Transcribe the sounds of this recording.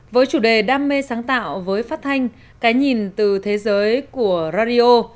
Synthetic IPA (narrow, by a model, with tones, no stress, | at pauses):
vəː˨˦jt͡ɕu˧˩ɗe˨˩ɗaː˧mːe˧saː˨˦ŋt̪a̰ː˧˨wvəː˨˦jfaː˦˥t̚t̪ʰa˧jŋ̟ | kaː˨˦jɲi˨˩nt̪ɨ˨˩t̪ʰe˨˦zəː˨˦jku˧˩əzaː˧ɗi˧ʔo˧